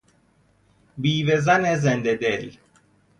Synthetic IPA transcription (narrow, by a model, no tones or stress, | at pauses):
biːvezɐnezend̪ed̪el